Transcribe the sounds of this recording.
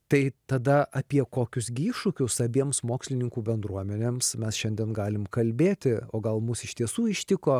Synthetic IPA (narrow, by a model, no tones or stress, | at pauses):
t̪ɐɪt̪ɐd̪ɐʔɐpʲiɛkoːkʲʊsɡʲɪiːʃʊkʲʊsɐbʲiɛmsmoːksʲlʲɪnʲɪŋkuːbʲɛnd̪ɾuɔmʲɛnʲeːmsmʲɛsʃʲɛnʲd̪ʲiɛnɡɑːlʲɪmkɐlʲbʲeːt̪ʲɪoːɡɐlˠmʊsɪʃt̪ʲiɛsuːɪʃʲt̪ʲɪkoː